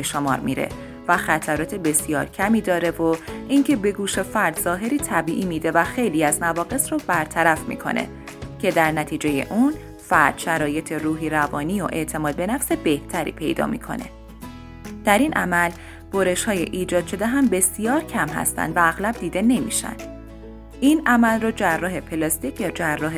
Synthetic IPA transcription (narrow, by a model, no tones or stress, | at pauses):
beʃomɒ̰ːɾmḭɾe̞̰ | væxæt̪ʰæɾɒːt̪ʰebe̞sijɒ̰ːɾcʰæmiːd̪ɒːɾe̞voiŋcʰe̞be̞ɡuːʃefæɾd̪zɒːɦe̞ɾiːt̪ʰæbiːʔiːmiːd̪e̞væxe̞jliːæzmævɒːɣe̞sɾɔbæɾt̪ʰæɾæfmḭːkʰo̞̰nʔe̞̰ | cʰe̞d̪æɾnæt̪ʰiːd͡ʒe̞jḛʔuːn | fæɾd̪̥ʃæɾɒːje̞t̪ʰe̞ruːɦiːɾævɒːniːoʔe̞̰ʔt̪ʰe̞mɒːd̪̚be̞næfse̞be̞ht̪ʰæɾḭːpʰe̞̰jd̪ɒ̰ːmḭkʰo̞̰ne̞̰ | d̪̥æɾinʔæmæl | b̥oɾe̞ʃhɒːje̞̰ʔiːd͡ʒɒːd̪ʃo̞d̪eɦæmbe̞sijɒːɾcʰæmɦæ̰st̪æ̰nd̪væːɣlæb̚d̪iːd̪e̞ne̞mḭʃæ̰nd̪̥ | ʔinʔæmælrod͡ʒærːɒːɦe̞pʰelɒst̪icʰjɒːd͡ʒærːɒːɦe